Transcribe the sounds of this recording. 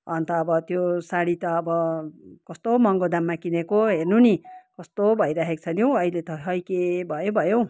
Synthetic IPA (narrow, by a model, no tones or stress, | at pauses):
ʌnt̪ʌːbʌt̪josaɽit̪ʌːbʌkʌst̪omʌŋɡod̪amːakinekoɦernunikʌst̪obʱʌjɾaɦek̚t͡sʰʌnjow̃ʌilet̪ʌʌjkebʱʌjobʱʌjo